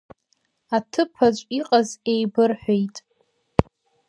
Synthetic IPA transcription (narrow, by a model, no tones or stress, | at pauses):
atʰɨpʰat͡ʃʷʼiqʼazejbɨrħʷᶣejtʼ